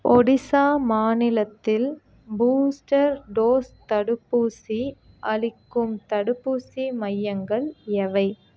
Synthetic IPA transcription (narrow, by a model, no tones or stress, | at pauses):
ɔɽɪsaːmaːnɪlɐt̪ːɪl | buːsʈɐɾɖoːst̪ɐɽɯpːuːsi | ʔɐlɪkːɯmt̪ɐɽɯpːuːsimɐjːɐŋɡɐɭɛʋɐɪ